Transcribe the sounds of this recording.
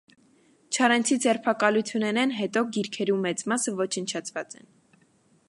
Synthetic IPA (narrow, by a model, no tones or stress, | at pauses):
t͡ʃʰɑɾɛnt͡sʰid͡zɛɾpʰɑkɑlujt͡sʰjunɛnɛnɦɛt̪ɔɡiɾkʰɛɾumɛt͡smɑsəvɔt͡ʃʰənt͡ʃʰɑt͡sʰvɑt͡sɛ̰n